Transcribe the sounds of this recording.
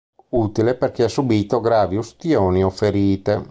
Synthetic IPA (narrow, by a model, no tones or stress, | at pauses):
uːt̪ileperk̟easubiːt̪oɡɾaːviust̪joːniofːeɾiːt̪e